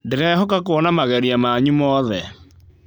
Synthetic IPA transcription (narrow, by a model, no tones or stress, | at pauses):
deɾɛhɔkakoɔnamaɣɛɾiamaɲumɔðɛ